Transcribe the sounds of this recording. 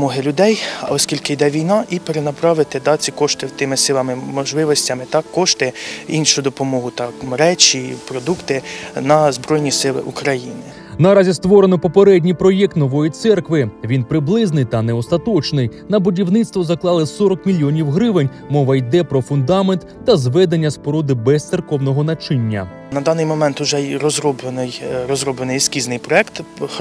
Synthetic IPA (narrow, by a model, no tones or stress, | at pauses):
mɔɦɪlʲʊd̪ɛjɔskʲilʲkɪjd̪ɛʋʲijnɑʔipeɾenɐpɾɑʋɪt̪ɪd̪ɑt͡sʲːikɔʃt̪ɪwt̪ɪmɪsɪlˠɐmɪmɔʒlˠɪʋɔsʲtʲɐmɪt̪ɑkːɔʃt̪ɪinʃʊjʊd̪ɔpɔmɔɦʊt̪ɑkmɾɛt͡ʃʲipɾɔd̪ukt̪ɪnɐzbɾɔjnʲisɪlˠɪ̰ʔukɾɐjinɪ | nɐɾɑzʲist̪ʋɔɾenɔpɔpeɾɛdʲnʲijpɾɔjɛk̚t̪nɔʋɔjit̪sɛrkʋɪʋʲinpɾɪblˠɪznɪjt̪ɐnɛɔst̪ɐt̪ɔt͡ʃnɪjnɐbʊdʲiwnɪt̪st̪ʋɔzɐklˠɑlˠɪsɔɾɔkmʲilʲːjɔnʲiwɦɾɪʋɪnʲ | mɔʋɐjd̪ɛpɾɔfʊnd̪ɑment̪ːɐzʋɛd̪enʲːɐspɔɾɔd̪ɪbɛst̪sɪrkɔwnɔɦɔnɐt͡ʃɪnʲːɐ̰ | nɐd̪ɑnɪjmɔmɛnt̪ʊʒɛɾɔzɾɔblˠenɪjɾɔzɾɔblˠenɪjskʲiznɪjpɾɔɛkt̪